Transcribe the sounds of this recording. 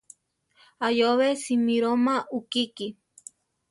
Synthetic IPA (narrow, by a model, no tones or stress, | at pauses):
ajoβesimiɾomaukiki